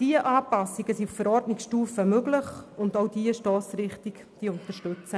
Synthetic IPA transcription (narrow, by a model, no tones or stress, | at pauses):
d̥iəʔaːpɑsɪɡəsiuffəɾɔrdnɪksʃtuːfəmøɡlɪχʊndowd̥iəʃtɔːsɾɪχtɪk | d̥iʊnt̪əʃtɵt͡sə